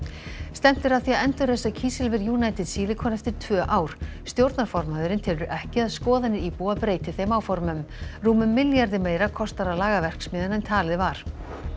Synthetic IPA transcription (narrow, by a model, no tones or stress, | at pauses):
st̪ɛm̥t̪ɪɾaðθiaɛnt̪ʏɾðesaðcʰiːsɪlvɛɾjuːnajt̪ɪðsiːlɪkʰɔːnɛft̪ɪɾ̥t̪ʰvœːʔaːwɾ̥st̪jowɾt̪naɾ̥fɔɾmaðʏɾɪnt̪ʰɪlʏʔɛhcɪaðskɔːðanɪipuːapɾeːjt̪ɪθejmaːwfɔɾmʏmruːmʏmːɪljaɾðɪmeːjɾakʰɔst̪aɾalaːɣavɛr̥ksmiːðanɛnt̪ʰaːlɪðvaɾ̥